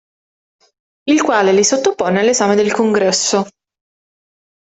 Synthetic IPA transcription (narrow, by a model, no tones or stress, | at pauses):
ilkwaːlelisot̪ːopoːnealːezaːmed̪elkoŋɡɾɛsːo